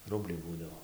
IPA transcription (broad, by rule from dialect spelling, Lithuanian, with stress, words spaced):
ˈrʊbʲlʲɛɪ ˈbuːdɐʋoː